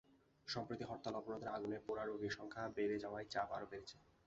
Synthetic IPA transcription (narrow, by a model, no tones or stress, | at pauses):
ʃɔmpɾit̪iɦɔɾt̪ːalɔponod̪eɾaɡunepoɾaɾobiʃɔŋkʰabeɾed͡ʑaoajt͡ɕaba̰ɾobeɾet͡ɕʰe̥